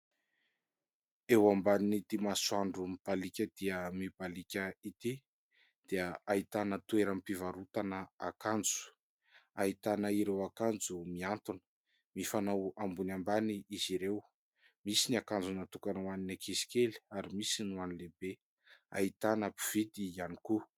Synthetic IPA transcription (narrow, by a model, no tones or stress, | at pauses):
ewambaninit̪imaswaɳɖ͡ʐumib̥alikʲəd̪̥iəmib̥alikʲəit̪i | d̪̥iəait̪anət̪ueɾəmpivaɾut̪anəa̰kand͡zu̥ | ait̪anəiɾewakand͡zumiant̪unə̥ | mifanawambunambaniiziɾew | misiniakand͡zunat̪ukanuaninakʰisi̥kʲeli̥aɾimisinuanilebe | a̰it̪anəpiv̥id̪ianiku